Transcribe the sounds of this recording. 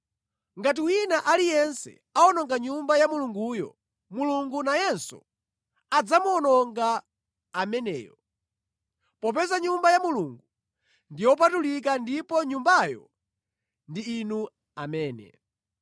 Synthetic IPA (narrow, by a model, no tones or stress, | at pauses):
ŋɡat̬iwinaʔalijɛnsɛ̰ | aɔnɔŋɡaɲumbajamuluŋɡujɔ̰ | muluŋɡunajɛnsɔ̰ | ad͡zamuɔnɔŋɡa | amɛnɛ̰ːjɔ | pɔp̬ɛzaɲumbajamuluŋɡu | ndijɔp̬atulik̬andipɔɲumbajɔ̰ | ndiːnu | amɛːnɛ̰